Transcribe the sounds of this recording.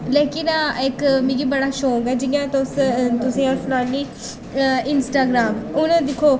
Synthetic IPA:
leːkɪnaɪkmĩːɡiːbəɽaːʃoːɡɛːd͡ʒɪɡãːt̪ʊst̪ʊsĩːaːɾsnaːniː | ɪnsʈaːɡɾaːmʊnãːd̪ɪkʰːoː

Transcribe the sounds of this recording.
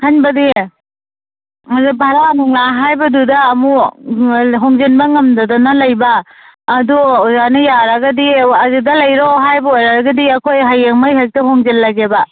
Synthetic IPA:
hanbɐdi | mazibʱaɾanɔŋlaɦajbɐdudɐːmu | ɦoŋzenbɐŋɐmdɐdɔnɐlɐjbɐː | duuzanɐjaɾɐɡɐdiɐzedɐlɐjɾoɦajbɐojɾaɾɐɡɐdiɐkʰojɦajeŋmajɦak̚tɐɦoŋzelːɐɡebɐ

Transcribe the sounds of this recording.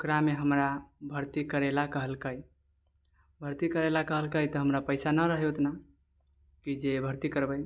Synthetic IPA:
okɾameɦəmɾabʱəɾt̪ikəɾelakəɦəlkəj | bʱəɾt̪ikəɾelakəɦəlkəjt̪əɦəmɾapəɪsanəɾəɦɛot̪na | kid͡ʒebʱəɾt̪ikəɾbəj

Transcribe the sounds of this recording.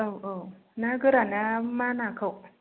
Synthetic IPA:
əwəw | naɡɯɾanamanakʰəw

